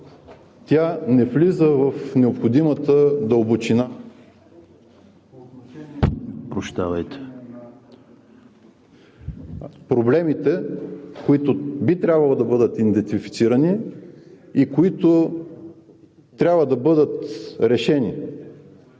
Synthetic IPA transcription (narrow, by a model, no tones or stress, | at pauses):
t̪ʲanɛflizəvɐfnɛopxod̪imət̪əd̪ɐobut͡ʃina | pɾot͡ʃt̪avɐjt̪ɛ̥ | pɾoblɛmit̪ɛkoit̪ʊbit̪ɾʲabvɐlˠod̪ɐbɤd̪ət̪ind̪ɛnt̪ifi̥t̪siɾəni | ikoit̪ʊ | t̪ɾʲabvəd̪ɐbɤd̪ət̪ɾɛʃɛni